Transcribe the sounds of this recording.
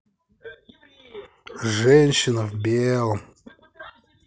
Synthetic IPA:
ʐɛnʲɕɪnəvbʲelˠəm

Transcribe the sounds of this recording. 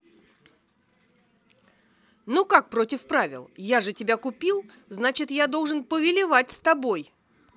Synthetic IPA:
nukak̚pɾo̞tʲɪfpɾavʲɪ̰lˠjaʐɨtʲɪbʲakʊpʲilˠznat͡ɕɪt̪jad̪o̞lˠʐɨnpəvʲɪlʲɪvatʲst̪ɐbo̞j

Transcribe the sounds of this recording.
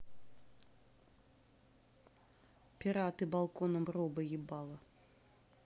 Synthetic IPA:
pʲiɾat̪ɨbalˠkɔnɐmrɔbɐjibɑlˠɐ

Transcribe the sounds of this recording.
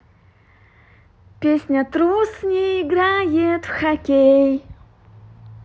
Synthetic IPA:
pʲesʲnʲət̪ɾusnʲɪɪɡɾajet̪fxɐkʲej

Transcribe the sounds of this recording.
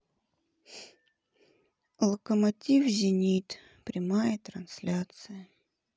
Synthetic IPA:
lˠəkəmɐtʲifzʲɪnʲit̪ | pɾʲɪmajət̪ɾɐnsʲlʲat̪sɨjə

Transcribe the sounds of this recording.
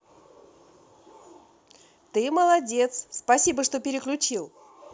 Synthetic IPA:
t̪ɨməlˠɐdʲe̞t̪sspɐsʲibəʂt̪o̞pʲɪɾʲɪklʲʉt͡ɕilˠ

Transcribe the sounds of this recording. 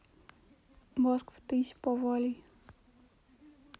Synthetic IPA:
mɔskft̪ɘjɕpɔvɔlʲi

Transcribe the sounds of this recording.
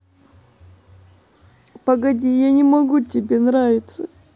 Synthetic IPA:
pəɡɐdʲijanʲɪmɐɡutʲɪbʲenɾavʲɪt̪sə

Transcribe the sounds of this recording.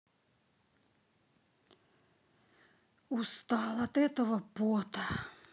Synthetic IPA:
ust̪ɑːlːɑt̪et̪oʋɑpːuot̪ɑ

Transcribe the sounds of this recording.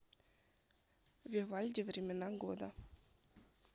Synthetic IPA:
vʲevalʲdʲivrʲemʲenɑɡod̪a̰

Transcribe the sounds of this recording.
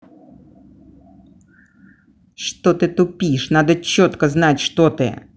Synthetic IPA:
ʂt̪ɔt̪ɨt̪ʊpʲiʂnad̪ɐt͡ɕːɔt̪kɐznatʲʂt̪ɔt̪ɪ̰

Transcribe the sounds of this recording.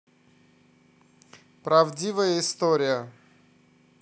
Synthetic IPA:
pɾɐvdʲivəjəɪst̪oɾʲɪjə

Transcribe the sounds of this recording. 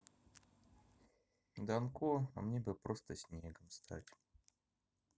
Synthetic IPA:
d̪ɐnkoa̰mnʲebɨpɾʔost̪əsʲnʲeɡəmst̪ʰa̰tʲ

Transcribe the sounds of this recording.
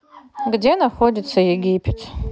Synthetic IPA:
ɡdʲe̞naχo̞dʲit̪t͡sʰːɐjeɡʲipʰʲetʰ

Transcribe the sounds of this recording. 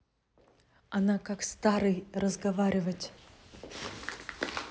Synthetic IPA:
ɐnakakst̪aɾɨjrəzɡɐvaɾʲɪvətʲ

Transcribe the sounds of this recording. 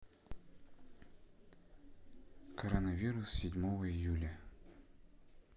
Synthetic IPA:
kəɾənəvʲiɾʊsːʲɪdʲmovəɪjulʲə

